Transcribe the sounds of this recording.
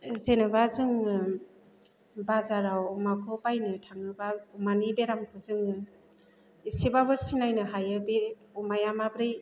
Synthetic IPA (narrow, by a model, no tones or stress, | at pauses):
zenɯbazɯŋɯ | bazaɾawɔmakʰɔpajnɯtʰaŋɯbaumanibeɾamkʰɯzɯŋɯ | isibabɯsinajnɯɦajɯbe | umajamabɾɯj